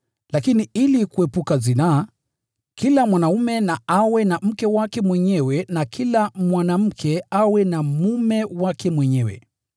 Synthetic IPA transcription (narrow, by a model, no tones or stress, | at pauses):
lakiniilikuɛpukazina | kilamwanaumɛnaawɛnam̩kɛwakɛmwɛɲɛwɛnakʰilamwanam̩kʰɛawɛnamumɛwakɛmwɛɲɛwɛ̰